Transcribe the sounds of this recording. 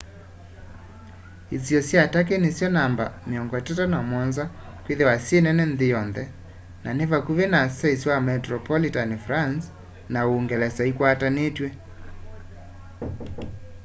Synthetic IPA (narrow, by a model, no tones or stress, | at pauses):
isiɔsjatak̬enesjɔnamba̰meɔŋɡɔɛtatanamwɔnza | kweðewasjenɛnɛnðɪjɔnðɛ | nʔanevakuβenasaisiwamɛtɾɔpɔlitanefɾans | naoːŋɡɛlɛsaikwatanetwɛ